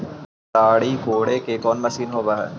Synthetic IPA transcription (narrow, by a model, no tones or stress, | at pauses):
aːɽikoːɽekekɔːnmɐsiːnɦoːʋaːɦɛ̰ː